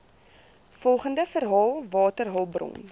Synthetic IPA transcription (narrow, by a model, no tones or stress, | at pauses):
fɔlˠχəndəfərɦɑːlˠvɑːtərɦɑlˠbrɔ̰n